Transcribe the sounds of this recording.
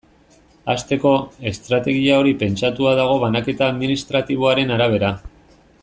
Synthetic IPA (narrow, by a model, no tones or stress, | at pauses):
ast̪e̞ko̞e̞st̪ɾat̪e̞ɣ̞iao̞ɾipe̞nt͡sat̪uaðaɣ̞o̞βanake̞t̪aːðminist̪ɾat̪iβ̞o̞aɾe̞naɾaβ̞e̞ɾa